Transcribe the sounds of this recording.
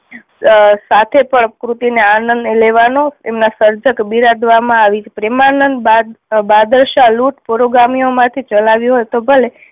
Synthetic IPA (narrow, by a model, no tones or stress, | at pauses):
sat̪ʰepəɳkɾut̪ineanənd̪eleʋanoemnasəɾd͡ʒəkbiɾad̪ʋamãaʋit͡ʃʰepɾemanənd̪ad̪bad̪əɾʃaluʈpoɾoɡɾamiomãt̪ʰit͡ʃəlaʋjũɦojt̪obʱəle